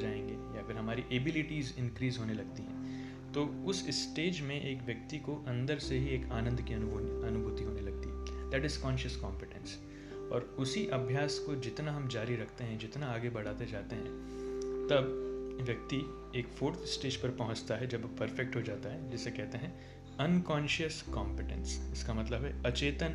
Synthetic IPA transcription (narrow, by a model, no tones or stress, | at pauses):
d͡ʒaːẽːŋɡejaɐfɪɾɦɐmaːɾiʔeːbɪlɪʈiːzɪ̃nkɾiːzɦoːnelɐɡ̚t̪iɦɛ̰̃ː | t̪oːʊsɪsʈeːd͡ʒmẽʔeːkʋjɐk̚t̪ikoʔɐ̃nd̪əɾseɦieːkaːnə̃nd̪ʱkiɐnbʱɐnʊbʱʊːt̪iɦoːnelɐɡ̚t̪iɦɛːd̪æːʈɪzkɔːnʃəskɔːmpɪʈɛ̰̃ns | ɔ̰ːɾʊsiʔɐbʱjaːskod͡ʒɪt̪naɦɐmd͡ʒaːɾiɾɐkʰt̪eɦɛ̃d͡ʒɪt̪naaːɡebɐɽ̤aːt̪ed͡ʒaːt̪eɦɛ̃ | t̪ɐbʋjɐk̚t̪i | eːkfoːɾt̪ʰsʈeːd͡ʒpɐɾpɐɦʊ̃t͡ʃt̪aɦɛd͡ʒɐbpɐɾfɛk̚ʈɦod͡ʒaːt̪aɦɛd͡ʒɪsːekɛɦt̪eɦɛ̃ | ɐnkɔːnʃəskãːmpɪʈɛ̰̃nsɪskamɐt̪ləbɦɛɐt͡ʃeːt̪ən